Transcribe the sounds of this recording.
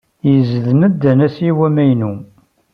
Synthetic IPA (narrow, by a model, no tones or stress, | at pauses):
jəzəðməd̪ænæsiwæmæjnu